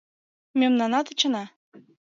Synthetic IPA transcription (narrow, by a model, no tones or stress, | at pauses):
mʲømnɑnɑt̪ə̆t͡ɕɤ̆nɑ